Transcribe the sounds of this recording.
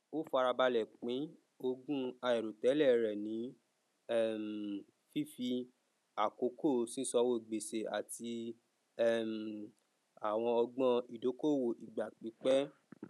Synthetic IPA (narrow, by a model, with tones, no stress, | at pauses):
o˦fa˧ɾa˧ba˧lɛ˨k͡pĩ˨˦ | o˧ɡũ˦a˧ɛ˨ɾo˨tɛ˨˦lɛ˦˨˧ɾɛ˨nĩ˨˦ | ɛ˦˨m˨ | fi˦fi˧ | a˨ko˨˦ko˦˨sĩ˦sɔ˧˦wo˦˨ɡ͡be˨se˨a̰˨ti˧ | ɛ˦˨m˨ | a˨w̃ɔ̃˧ɔ˧ɡ͡bɔ̃˦˧i˨do˨˦ko˦˨wo˨ʔi˨ɡ͡ba˨k͡pĩ˨˦k͡pɛ˦